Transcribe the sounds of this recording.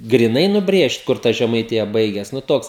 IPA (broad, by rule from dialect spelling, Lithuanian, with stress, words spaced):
ɡrʲɪˈnɐɪ nʊˈbʲrʲeːʃt ˈkʊr tɐ ʒʲɛmɐɪˈtʲɪjɛ ˈbɐɪɡʲɛs nʊ ˈtoːks